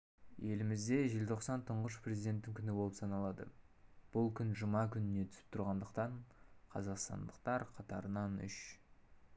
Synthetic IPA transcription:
je̞lɪmɪzd̪e̞ʒe̞lt̪ʰo̞qsɑnt̪ʰəɴʁəʃ̬pɾe̞zʲid̪e̞t̪ːɪŋkʲʰʏnɪbo̞lˠəpsɑnɑlˠɑd̪ə̰ | b̥ʊlˠkʲʰʏnʒəmɑkʲʰʏnɪne̞t̪ʰʏ̥sɪ̥p̚t̪ʰʊɾʁɑnd̪əqt̪ɑɴqʰɑzɑqst̪ɑ̰nd̪əq̚t̪ɑɾqʰɑt̪ɑɾənɑnʏ̰ʃ

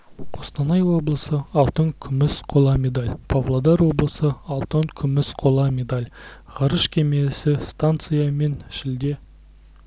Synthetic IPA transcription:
qʰo̞st̪ɑnɑjwo̞blˠəsəɑlˠt̪əŋkʲʰʏmɪsqʰo̞lˠɑmʲe̞d̪alʲpʰavlˠod̪ɑɾwo̞blˠəsəɑlˠt̪əŋkʲʰʏmɪsqʰo̞lˠɑmʲe̞d̪alʲʁɑɾəʃkʲʰe̞mesɪst̪ant̪sɨjame̞nʃɪld̪e̞

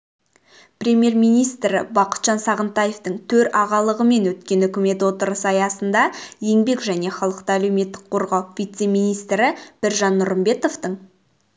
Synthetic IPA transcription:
prʲe̞mʲje̞ɾmijnijst̪ɾɪ̰bɑqə̥t̪ʒ̥ɑnsɑʁənt̪ɑjeft̪əɴt̪ʰɵɾɑʁɑlˠəʁəme̞nwɵt̪̚kʲe̞nʏkʲɪme̞t̪wot̪əɾəsɑjɑsənd̪ɑje̞ŋbe̞kʒæne̞χɑlˠəqt̪əæle̞wme̞t̪ːɪ̥k̚qʰo̞ɾʁɑwvʲijt̪se̞mijnijst̪ɾɪb̥ɪɾʒɑnːʊɾəmbe̞t̪o̞ft̪əɴ

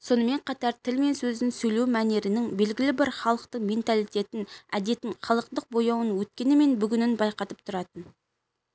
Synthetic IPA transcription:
so̞nəme̞ɴqʰɑt̪ɑɾt̪ʰɪlme̞nsɵzɪnsɵjlewmæne̞ɾɪnɪŋbe̞lɡʲɪlɪbɪɾχɑlˠəq̚t̪əme̞nt̪alˠijt̪e̞t̪ɪnæd̪e̞t̪ːɪŋχɑlˠəq̚t̪əq̚bo̞jɑwənwɵt̪̚kʲe̞nɪme̞nbʏɡʲʏnɪnbɑjqɑt̪əp̚t̪ʰʊɾɑt̪ən

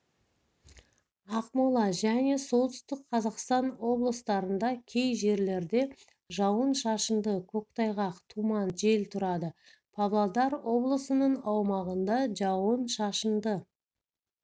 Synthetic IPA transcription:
ɑqmɑlˠɑʒæne̞so̞lˠt̪ʏst̪ɪk̚qʰɑzɑqst̪ɑnwo̞blˠəst̪ɑɾənd̪ɑkʲʰe̞jʒe̞ɾle̞ɾd̪e̞ | ʒɑwənʃɑʃənd̪əkʲʰɵk̚t̪ɑjʁɑqt̪ʰumɑnʒe̞lt̪ʰʊɾɑd̪ə | pʰɑvlˠɑd̪ɑɾwo̞blˠəsənəɴɑwmɑʁənd̪ɑʒɑwənʃɑʃənd̪ə

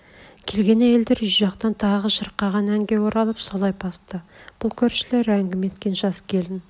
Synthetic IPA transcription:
kʲʰe̞lɡʲe̞næje̞ld̪e̞ɾʒʊʒɑqt̪ɑnt̪ʰɑʁəʒəɾqːɑʁɑnæŋɡʲe̞wo̞ɾɑlˠəpso̞lˠɑjbʰɑst̪əb̥ʊlˠkʲʰɵɾʃɪle̞ɾæŋɡʲɪme̞t̪kʲe̞nʒɑskʲʰe̞ld̪ɪn

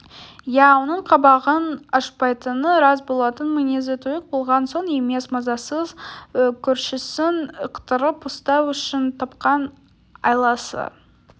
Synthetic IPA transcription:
jæwo̞nəɴqʰɑbɑʁənɑʃpɑjt̪ənəɾɑsbo̞lˠɑt̪ənmɪjnezet̪ʰojɪq̚bolˠʁɑnso̞ɴeme̞smɑzɑsəzkʲʰɵɾʃɪsɪnəqt̪əɾəpost̪ɑwʏʃɪnt̪ʰɑpqɑn | ɑ̰jlˠɑsə̰

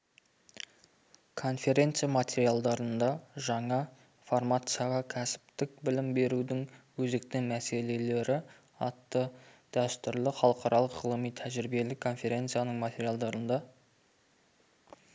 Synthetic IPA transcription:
kʰo̞nfʲe̞ɾʲe̞nt̪sɨjamat̪ʲe̞ɾialˠd̪ɑɾənd̪ɑʒɑɴɑ | format̪sɨjaʁɑkʲʰæsɪ̥p̚t̪ɪk̚bɪlɪmbe̞ɾud̪ɪŋwɵze̞k̚t̪ɪŋmæse̞le̞le̞ɾɪ | ɑt̪ːəd̪̥æst̪ʏɾlɪχɑlˠəqɑɾɑlˠəqʁəlˠəmijt̪ʰæʒɪɾbe̞lɪkʰo̞nfʲe̞ɾʲe̞nt̪sɨjanəɴmat̪ʰʲe̞ɾijalˠd̪ɑɾənd̪ɑ

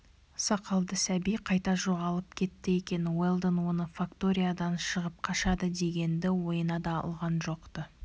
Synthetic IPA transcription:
sɑqɑlˠd̪əsæbijqʰɑjt̪ɑʒo̞ʁɑlˠəp̚kʲʰe̞t̪ːɪe̞kʲe̞nwelˠd̪ənwo̞nəfakt̪o̞ɾʲijad̪ɑnʃəʁəp̚qʰɑʃɑd̪əd̪e̞ɡʲe̞nd̪ɪwo̞jənɑd̪ɑɑ̰lˠʁɑnʒo̞qt̪ə

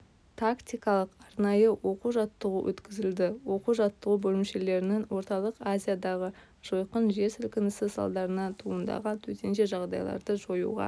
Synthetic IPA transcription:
t̪ʰakt̪ʲijkɑlˠəqɑɾnɑjəwo̞quʒɑt̪ːəʁuwʔɵ̰t̪kʲɪzɪld̪ɪwo̞quʒɑt̪ːəʁubɵlɪmʃe̞le̞ɾɪnɪŋwo̞ɾt̪ɑlˠəqazʲijad̪ɑʁə | ʒ̥o̞jqənʒe̞ɾsɪlkʲɪnɪsɪsɑ̰lˠd̪ɑɾənɑt̪ʰuənd̪ɑ̰ʁənt̪ʰɵt̪e̞nʃe̞ʒɑʁd̪ɑ̰jlˠɑ̰ɾd̪əʒo̞jṵʁɑ̰

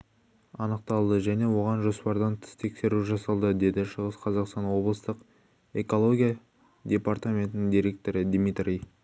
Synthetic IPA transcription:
ɑnəq̚t̪ɑlˠd̪əʒæne̞wo̞ʁɑnʒo̞spɑɾd̪ɑnt̪ʰɪ̥st̪ʰe̞kse̞ɾuʒɑsɑlˠd̪əd̪e̞d̪ɪʃəʁəsqʰɑzɑqst̪ɑnwo̞blˠəst̪əq | e̞ko̞lˠo̞ɡʲija | d̪ʲe̞part̪amʲe̞nt̪ɪnɪŋd̪ijɾe̞k̚t̪o̞ɾəd̪mit̪rʲij

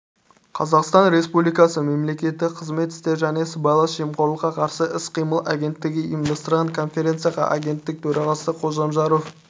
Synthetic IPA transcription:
qʰɑzɑqst̪ɑnɾe̞spublijkɑsəme̞mle̞kʲe̞t̪ːɪkqʰəzme̞t̪ɪ̥st̪e̞ɾʒæne̞səbɑjlˠɑsʒemqʰo̞ɾlˠəqːɑqʰɑɾsəʔɪsqʰijməlˠaɡʲe̞nt̪ːɪɡʲɪimd̪ɑst̪ɾɑnkʰo̞nfe̞ɾʲe̞nt̪sɨjaʁɑ̰ʔaɡʲe̞nt̪ːɪk̚t̪ʰɵɾʔɑʁɑsəqʰo̞ʒɑmʒɑɾo̞f

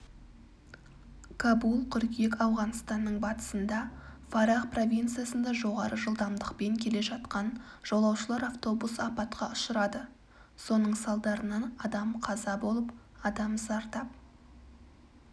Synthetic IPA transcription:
kʰabulˠkʲʰʏɾkʲijekɑwʁɑnst̪ɑnːəɴbɑt̪ə̥sənd̪ɑfaɾaqpro̞vʲijnt̪sɨijasənd̪ɑʒo̞ʁɑɾəʒəlˠd̪ɑmd̪əqpe̞ŋkʲʰe̞le̞ʒɑt̪qɑn | ʒ̥olˠɑwʃəlˠɑɾaft̪o̞busɑpɑt̪qɑʊʃəɾɑd̪ə | so̞nəɴsɑlˠd̪ɑɾənɑnɑd̪ɑmqʰɑzɑbo̞lˠəp | ɑd̪ɑmzɑɾt̪ɑp̚

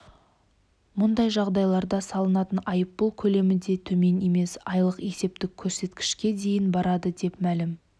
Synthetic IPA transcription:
mʊnd̪ɑjʒɑʁd̪ɑjlˠɑɾd̪ɑsɑlˠənɑt̪ənɑjəpːəlˠkʲʰɵle̞mɪd̪e̞t̪ʰɵme̞ne̞me̞sɑjlˠəqe̞se̞p̚t̪ɪkʲʰːɵɾse̞t̪kʲɪ̥ʃkʲe̞d̪e̞jɪnbɑɾɑd̪əd̪e̞pmælɪm

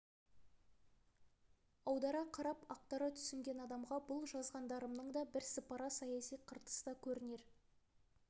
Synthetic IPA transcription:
ɑwd̪ɑɾɑqʰɑɾɑpɑq̚t̪ɑɾɑt̪ʰʏ̥sɪŋɡʲe̞nɑd̪ɑmʁɑbʊlˠʒɑzʁɑnd̪ɑɾəmnəɴd̪ɑbɪɾsəpɑɾɑsɑjɑsijqʰəɾt̪ə̥sd̪ɑkʲʰɵɾɪne̞ɾ

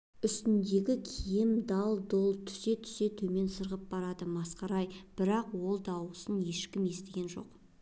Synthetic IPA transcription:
ʏst̪ɪnd̪e̞ɡʲɪkʲʰijɪmd̪ɑlˠd̪olˠt̪ʰʏ̥se̞t̪ʰʏ̥se̞t̪ʰume̞nsəɾʁəp̚bɑɾɑd̪əmɑsqɑɾɑjb̥ɪɾɑqwo̞lˠd̪ɑwəsənje̞ʃkʲɪmje̞st̪eɡʲe̞nʒo̞̰q

